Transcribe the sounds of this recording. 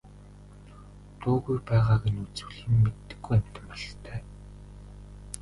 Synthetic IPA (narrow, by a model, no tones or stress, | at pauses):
t̪ʰoːɣujpæːʁaːɣenut͡su̥ɮĭːmːet̪ːɘ̆ɡːujæm̥ʲt̪ɪ̆mpɔɮt̪ʰæː